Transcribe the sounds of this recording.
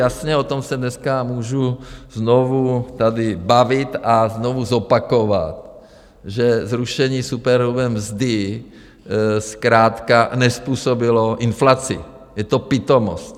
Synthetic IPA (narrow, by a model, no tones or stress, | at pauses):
jasɲɛot̪omsɛdnɛskamuːʒuznovut̪adɪbavɪt̪aznovuzopakova̰t̪̚ | ʒɛzɾuʃɛɲiːsupɛɾluvɛmzd̪ɪ | skɾaːt̪kanɛspuːsobɪloʔɪnflat͡sɪ̰ | jɛt̪opɪt̪omo̰st̪